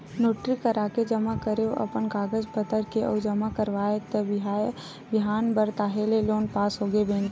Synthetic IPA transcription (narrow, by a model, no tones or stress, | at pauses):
noːʈɾikəɾaːked͡ʒɐmakəɾeʔɐ̰pənɡaːɡəd͡ʒpət̪əɾkeʔɔ̰ːd͡ʒɐmakəɾʋaːet̪əbɦa | bɪɦaːnbəɾt̪aːɦeleloːnpaːsɦoːɡebẽːn